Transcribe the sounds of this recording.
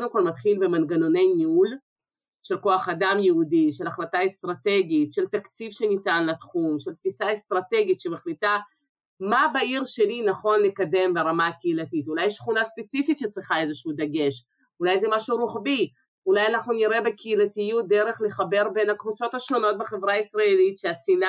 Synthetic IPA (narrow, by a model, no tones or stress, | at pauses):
onokvalmat̪χilbe̞manɡano̞ne̞jmiul | ʃe̞lko̞aχadamjeudiʃe̞laχlataest̪ʁat̪e̞ɡitʃe̞lt̪akt͡sivʃe̞nitanlatχumʃelt̪fisaest̪ʁat̪e̞ɡit̪ʃemaχlit̪a | mabaiʁʃe̞linaχo̞nle̞kade̞mbeʁamakeilatit̪ulajːeʃχunaspet͡sifit̪ʃet͡sʁiχae̞zeʃud̪aɡe̞ʃ | ulajzɛmaʃuɾuχbi | ulajanaχnuniʁe̞be̞kʰeilat̪ijut̚d̪eʁe̞χle̞χabe̞ʁbe̞nhakvut͡so̞t̪aʃo̞no̞t̪̚beχe̞vʁaisʁaelitʃeasina